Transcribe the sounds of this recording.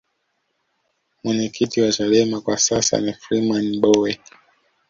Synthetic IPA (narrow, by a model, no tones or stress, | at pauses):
mwɛɲɛkʰitiwat͡ʃalɛmakwasasa̰nifɾimanɓɔwɛ